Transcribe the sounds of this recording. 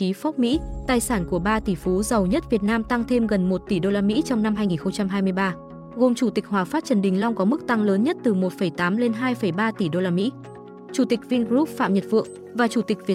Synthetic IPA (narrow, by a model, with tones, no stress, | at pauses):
i˨˦fɔ˦˥p̚mḭ˧˥t̪aː˨˩jsaː˧˩nku˧˩əɓaː˧t̪i˧˩fu˨˦zə˨˩wɲə˦˥t̚vi˨˩ət̚naː˧mt̪a˧ŋt̪ʰe˧mɣə˨˩nmo˨˩t̚t̪i˧˩ɗo˧laː˧mḭ˧˥t͡ɕɔ˧wŋ͡mna˧mɦaː˧jŋi˨˩nxə˧ŋ͡mt͡ɕa˧mɦaː˧jmɨ˧əjɓaː˧ | ɣo˨˩mt͡ɕu˧˩t̪i˨˩k̟̚ɦwaː˨˩faː˦˥t̚t͡ɕə˨˩nɗï˨˩ŋ̟lɔ˧wŋ͡mkɔ˨˦mɨ˦˥k̚t̪a˧ŋləː˨˦nɲə˦˥t̚t̪ɨ˨˩mo˨˩t̚fə˧˩jt̪aː˨˦mle˧nɦaː˧jfə˧˩jɓaː˧t̪i˧˩ɗo˧laː˧mḭ˧˥ | t͡ɕu˧˩t̪i˨˩k̟̚vi˧ŋɣɾu˦˥p̚fa̰ː˧˨mɲə˨˩t̚vɨ̰˧˨əŋ | vaː˨˩t͡ɕu˧˩t̪ï˨˩k̟̚vi˨˩ə